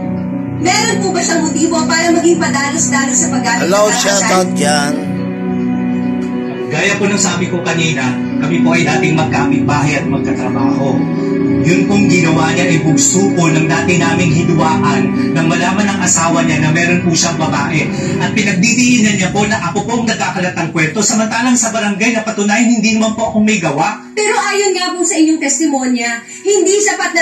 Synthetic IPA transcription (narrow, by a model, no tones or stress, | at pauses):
mɛːɾonpʊbɐʃaŋmot̪iːbopaːɾɐmɐɡiŋpɐd̪aːlosd̪aːlonsɐpɐɡ̚ʔaːɐlawʃaɐɡ̚d͡ʒan | ɡaːjɐponɐŋsaːbɪkokɐniːnɐ | kɐmipo̞ʔɐjd̪aːt̪ɪŋmɐɡ̚kaːpɪt̪̚baːɦɪjʔɐt̪̚mɐɡ̚kɐt̪ɾɐbaːɦo̞ | jʊnpʊŋɡɪnɐwaɲaʔɐjpʊɡsuːkolnɐŋd̪aːt̪ɪnaːmɪŋɦɪd̪ʊwaːʔɐnːɐŋmɐlaːmɐnɐŋʔɐsaːwɐɲanɐmɛːɾo̞npuʃaŋbɐbaːʔɛ | ʔɐt̪̚pɪnɐɡ̚d̪id̪iʔɪnɐnɲapo̞nɐʔɐkopoʔɐŋnɐɡ̚aːkɐlɐt̪ːɐŋkwɛɾt̪o̞sɐmɐnt̪aːlɐŋsɐbɐɾɐŋɡajnɐpɐt̪ʊnaːjɐnhɪnd̪iːnɐmanpo̞ʔɐko̞mɐjɡɐwaʔpɛɾo̞ʔaːjonŋaposɐʔɪɲːoŋt̪ɛst̪ɪmo̞njɐ | hɪnd̪isɐpat̪̚nɐ